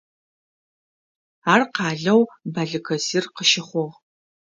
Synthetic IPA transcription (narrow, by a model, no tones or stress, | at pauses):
aːrqɑːɮɐwbɐɮɨkʰɐzirqəʃɪχʷɔʁ